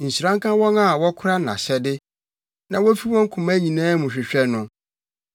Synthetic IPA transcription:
n̩˨si˨ɾã˦ŋ˦kã˦wɔ̃˦na˨wɔ˦kʰʊ˦ɾa˦˨ã̰˨ɕɛ˨dɪ˦ | nã˨wɔ˦fi˦wɔ̃˦ŋ˦kʰʊ̃˨mã˦ɲĩ˨nãː˦mʊ̃˨ɕᶣɪ˨ɕᶣɛ˦nʊ̃˦

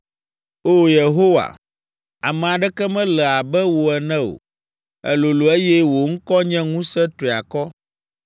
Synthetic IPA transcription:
o˦˨je˨ɦo˦wa̰˨ | a˨mɛ̃˨a˨ɖɛ˦kɛ˦mɛ̃˦lɛ˨a˨bɛ˦wo˨ɛ˨nɛ̃˦o̰˨ | ɛ̰˨lo˨lo˨e˦jɛ˦wo˨ŋ̩˦kɔ˦ɲɛ̃˦ŋũ˦sɛ˦t̪ɾi˨a˨kɔ˦

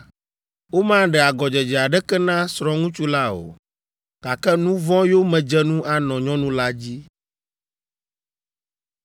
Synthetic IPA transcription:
wo˦mã˦ɖɛ˨a˨ɡɔ˨d͡ʒɛ˨d͡ʒɛ˨a˨ɖɛ˦kɛ˦nã˦sɾɔ̃˦ŋũ˦t͡ʃu˦la˦o̰˨ | ɡ̥a˨kɛ˦nũ˦vɔ̃˦jo˦mɛ̃˨d͡ʒɛ˦nũ˦ʔa˦nɔ̃˨ɲɔ̃˦nũ˦la˦d͡ʑi˦

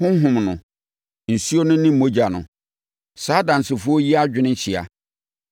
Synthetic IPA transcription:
hʊ̃˦ɦʊ̃˨mnʊ̃˨ | n̩˨si˦o˦nʊ̃˦nɪ̃˦m̩˨o˦d͡ʑa˨nʊ̃˨ | saː˦dã˨n̩˨sɪ˨fʊ˦o˦ji˦a˦d͡ʑᶣɪ˦nɪ̃˦ɲ̩˦ɕʰɪ˨a̰˨

